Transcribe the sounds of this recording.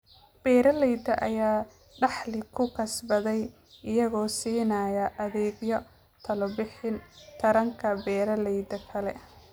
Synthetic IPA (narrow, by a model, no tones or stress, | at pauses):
b̥ɛːɾɐlɛjd̪ɐʔɐjaː | ɖɑħlɪkʰʊkʰɐsbɐðɛj | ɪjɐɣɔːsiːnaːjɐʔɐðɛːɡjɔ | t̪ʰɐlɔbɪħɪnt̪ʰɐɾɐŋkʰɐbɛːɾɐlɛjd̪ɐkʰɐlɛ